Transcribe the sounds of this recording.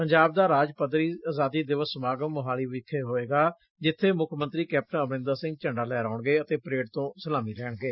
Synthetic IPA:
pəɲd͡ʒaːb̚d̪aːɾaːd͡ʒpəd̪ɾiːaːzaːd̪iːd̪ɪʋəsmaːɡəmːəɦaːliːʋɪkʰːeːɦoːeːɡaː | d͡ʒɪt̪ʰːeːmʊkʰmə̃nt̪ɾiːkɛːp̚ʈə̃nəbɪ̃nd̪aɾsɪ̃ŋɡ̚t͡ʃəɳɖaːlɛːɾaːɳɡeːət̪eːpɾeːɖt̪õːsəlaːmiːlɛːɳɡeː

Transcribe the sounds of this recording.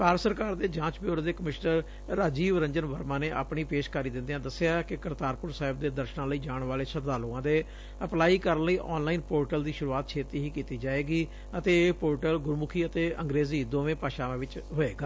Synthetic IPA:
paːɾsəɾkaːɾd̪eːd͡ʒãːt͡ʃbjoːɾd̪eːkəmɪʃnəɾː | aːd͡ʒiːʋɾə̃ɲd͡ʒənʋəɾmãːneːʔa̰ːpɳiːpeːʃkəɾiːd̪ɪ̃nd̪eãːd̪əsːeaːkɪkəɾt̪aːɾpʊɾsaːɦɪbd̪eːd̪əɾʃnãːləiːd͡ʒaːɳʋaːleːsəd̪aːloːãːd̪eː | əplaːiːkəɾənləiːʔɔ̰ːnlaːiːnpoːɾʈəld̪iːʃʊɾuaːt̪̚t͡ʃʰeːt̪iːɦiːkiːt̪iːd͡ʒaːeːɡiː | ət̪eːpoːɾʈəlɡʊɾmʊkʰiːət̪eːəŋɡɾeːziːd̪oːʋẽːpaːʃaːʋãːʋɪt͡ʃɦoeːɡaː

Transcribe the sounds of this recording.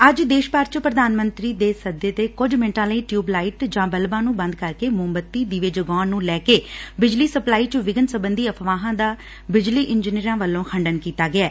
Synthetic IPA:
əd͡ʒd̪eːʃpaːɾt͡ʃpɾəd̪aːnmə̃nt̪ɾiːd̪eːsəd̪eːt̪eːkʊd͡ʒmẽɳʈãːləiːʈjuːblaːiʈd͡ʒãːbəlbãːnũːbə̃nd̪̚kəɾkeːmʊmbət̪ːiːd̪iʋeːd͡ʒəɡɔːnːũːlɛːkeːbɪd͡ʒliːsəplaːiːt͡ʃʋɪɡənsəbənd̪iːəpʰʋaːɦãːd̪aː | bɪd͡ʒliːʔɪnd͡ʒniːɾãːʋəlːõːkʰəɳɖənkiːt̪aːɡɪɛː

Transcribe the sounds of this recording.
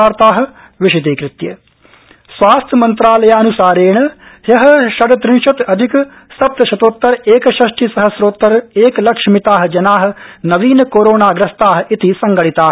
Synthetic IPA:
aːɾt̪aːɦɐ̆ | ʋɪʃɐt̪̬eːkɾɪt̪jɐ̰ | sʋaːst̪ʰjɐmɐ̃nt̪ɾaːlɐjaːɐnusaːɾeːɳ̃ɐ | hjɐɦɐ̆ʃɐɽɐt̪ɾɪ̃nʃɐt̪ɐd̪ʱɪk | sɐp̚t̪ɐʃɐt̪oːt̪ːɐɾeːkɐʃɐʃʈʰisɐɦɐsɾoːt̪ːɐɾeːklɐkʂmit̪aːɦ̆d͡ʒɐnaːɦɐ̆nɐʋiːnɐkoːɾoːnaːɡɾɐst̪aːɦɐ̆it̪isɐŋɡɐɭit̪aː

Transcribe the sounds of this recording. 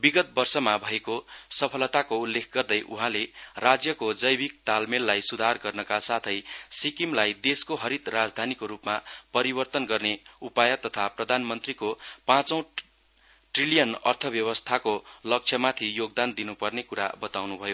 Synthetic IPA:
biɡʌt̪̚bʌrsʌmabʱʌekosʌpʰʌlʌt̪akoulːekʰɡʌrd̪ʌjʔuɦãlerad͡zjʌkod͡zʌjbik̚t̪almelːajsud̪ʱarɡʌrnʌkasat̪ʰʌjsikimlajd̪eskoɦʌɾit̪rad͡zd̪ʱanikoɾupmapʌɾibʌrt̪ʌnɡʌrneupajʌt̪ʌt̪ʰaprʌd̪ʱanmʌnt̪rikopãt͡sʌ̃w̃ | ʈrilijʌnʌ̰rt̪ʰʌbjʌβʌst̪ʰakolʌk̚t͡sʰʌmat̪ʰijoɡ̚d̪and̪inupʌrnekuɾa̰bʌt̪awnubʱʌjo

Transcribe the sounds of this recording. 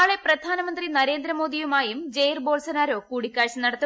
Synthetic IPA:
ɭe̞prɐd̪ʱaːnɐmɐnd̪rinɐɾe̞ːnd̪ɾɐmoːd̪ijumaːjumd͡ʑejrbo̞ːlsɐnaːɾo̞ːkuːɽikʲːaːɻɕɐnɐɽɐt̪ːu

